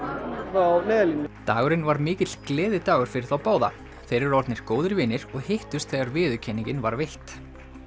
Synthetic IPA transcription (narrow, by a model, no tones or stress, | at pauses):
anɛːðlinːɪt̪aːɣʏɾɪnvaɾmɪːcɪt̪lklɛːðɪt̪aːɣʏɾ̥fɪɾɪɾ̥θawpaːwða̰ | θejɾɪɾɔɾt̪nɪɾ̥koːwðɪɾvɪːnɪɾ̥ɔɣhɪht̪ʏst̪θɛːɣaɾvɪːðʏcʰɛniɲcɪnvaɾvejht̪